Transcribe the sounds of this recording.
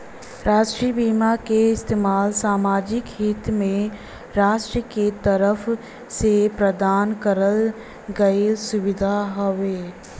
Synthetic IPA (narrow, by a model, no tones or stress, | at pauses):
ɾaːʃʈɾiːbiːmakeɪst̪eːmaːlsaːmaːd͡ʒɪkɦɪt̪mẽ | ɾaːʃʈɾəket̪əɾəf | sepɾəd̪aːnkəɾəl | ɡɐisʊʋɪd̪ʱaɦoʋeː